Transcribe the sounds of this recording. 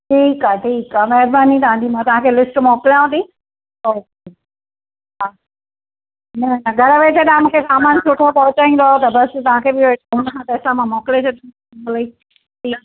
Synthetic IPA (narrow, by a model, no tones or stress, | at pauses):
ʈʰiːkaːʈʰiːkaːmɛɦɾbaːnit̪ɐãːnd̪imãːt̪ɐʋãːkʰeːlɪsʈmɔːkɪlaũt̪i | oːke | aː | nɐnɐɡʱɐɾəʋet͡ɕʰɐɗãmũːkʰesaːmaːnt͡ɕʰʊʈʰopɐɦʊt͡ɕaːĩnd̪oaot̪ɐbɐst̪ɐʋ̤ãkʰeːbɪoɦʊnəkʰãːt̪ɛsamãmɔːkɪlet͡ɕʰɐɗũ | lɐi | ʈʰiː